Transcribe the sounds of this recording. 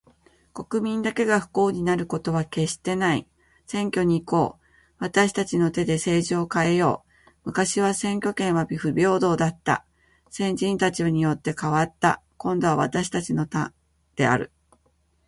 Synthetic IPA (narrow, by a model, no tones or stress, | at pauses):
ko̞kɯ̟mʲĩnd̪ake̞ɡaɸɯ̟̥ko̞ːɲ̟inaɾɯ̟ko̞t̪o̞β̞ake̞ɕi̥t̪e̞naḭ | sẽ̞ŋkʲo̞ɲ̟iːko̞ː | βat̪aɕi̥t̪at͡ɕino̞t̪e̞d̪e̞se̞ːʑioːkae̞jo̞ː | mɯ̟kaɕiβasẽ̞ŋkʲo̞kẽ̞ɰ̃βabʲiɸɯ̟bʲo̞ːd̪o̞ːd̪at̪ːa̰ | sẽ̞ɲd͡ʑĩnt̪at͡ɕioɲ̟ijo̞t̪ːe̞kaβat̪ːa̰kõ̞nd̪o̞βaβ̞a̰t̪aɕi̥t̪at͡ɕino̞t̪a | d̪̥e̞a̰ɾɯ̟̰